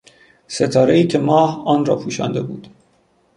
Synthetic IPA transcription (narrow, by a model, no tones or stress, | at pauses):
se̞t̪ʰɒːɾe̞iːcʲʰe̞mɒːhɒːnrɒ̰ːpʰuːʃɒ̰ːnd̪e̞bṵːd̪̥